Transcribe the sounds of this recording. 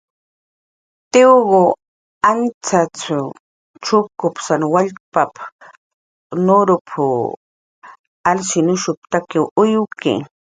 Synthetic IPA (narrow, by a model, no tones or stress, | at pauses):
t̪ɪwɣo | ant͡sat͡sʊ | ʈ͡ʂʊkʊpsanwaʎpap | noɾʊpʰʊ | alʃɪnʊʃʊp̚t̪akɪwʊjʊkḛ